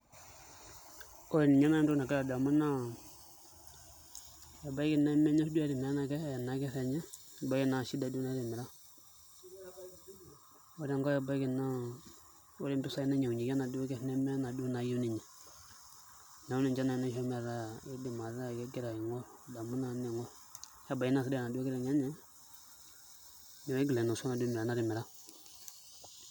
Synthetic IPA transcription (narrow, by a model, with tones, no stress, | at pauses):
o˦˨ni˨ɲa˦na˦m˦du˦na˨ka˦ɾa˨da˨mu˦na˦ | ja˨ba˦ki˨na˦i˦mɛ˦ɲɛ˦sdu˦a˦ɾi˨mɛ˨˦na˨kɛ˦˨na˨˦kɛ˦sɛ˨ɲɛ˦˨ | ba˦i˦na˨ʃi˦da˨du˦na˦ɾi˨mi˨ɾa˦ | wo˦ɾɛ˦ŋɡɔ˦ja˨ba˦ɡi˨na˦ | wo˦ɾɛ˦mbi˦sa˦i˦na˦ɲa˨ɲi˨ɡa˦na˨du˦ɡɛ˦fnɛ˦m˦ɾɛ˦na˨du˦na˨˦jo˦ni˨ɲɛ˨ | na˨˦u˦ni˨d͡ʒa˦na˨na˦ʃo˦mɛ˨ɾa˦˨i˦di˨ma˨ɾa˦˨kɛ˦ɡɛ˦ɾa˨ji˨ŋɔ˦ɾda˨mu˦na˨˦ni˨ŋɔ˦ɾ | ja˦ba˨i˦na˦˨si˦da˨na˨du˦a˦ɡɛ˦ɛ˨ɲa˦ɲɛ˦ | ɲa˨˦e˦ɡi˨le˨no˨sna˨du˦mi˨ɾa˨na˦ɾi˨mi˨ɾa˦